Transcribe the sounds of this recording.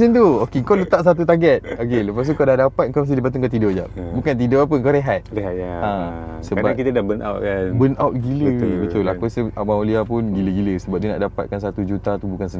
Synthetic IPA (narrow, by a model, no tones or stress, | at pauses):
sint̪̬uokeŋkolət̪aʔs̬at̪̬ut̪aɡɛt̪̚okeləpast̪ukadahdapat̪̚ŋkawmast̪idipanuŋkat̪idɔʔd͡ʒa̰ʔbukant̪̬idoʔap̬əŋkaɾeɦat̪̚eɦaã | səbakit̪adabəna̰wt̪̚abənawt̪̚ɡiləbət̪ʊlapəsəaʔmãoliapʊnɡiləɡiləsəbap̚diəna̰ʔdapat̪̚kansat̪ud͡ʒut̪at̪ubukansən